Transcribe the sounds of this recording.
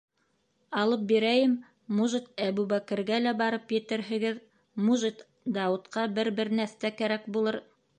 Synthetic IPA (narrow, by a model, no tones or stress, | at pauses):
ɑlˠɤp̚biɾæjɘm | muʒit̪æβuβækɘ̆ɾɡælæbɑɾɤpjɘ̆t̪ɘɾɦɘ̆ɡɘð | muʒet̪ | d̪ɑut̪qɑbɘɾbɘɾnæθt̪ækæɾækbulˠɤɾ